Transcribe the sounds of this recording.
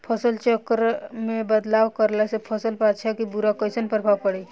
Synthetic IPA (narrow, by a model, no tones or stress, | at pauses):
pʰəsəlt͡ʃəkɾmebəd̪lawkəɾlɛsepʰəsəlpat̪ːʃʰakibuɾakəsənpɾəbʱaʋpəɽɛ